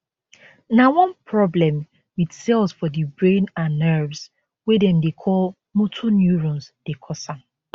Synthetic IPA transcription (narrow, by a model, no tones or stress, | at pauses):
nawɔ̃npʰɹɔblɛ̃m | widsɛlˠsfɔdibɹẽnãnːɛvz | wɛdɛ̃mdekʰɔl | motʰonjuɹɔ̃nzd̥ekʰɔsãm